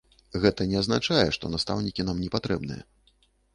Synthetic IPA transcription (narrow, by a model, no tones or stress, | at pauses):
ɣɛt̪ɐnʲɛaznat͡ʂajɛʂt̪ɔnast̪awnʲikʲinamnʲɛpat̪ɾɛbnɨ̰jɛ̰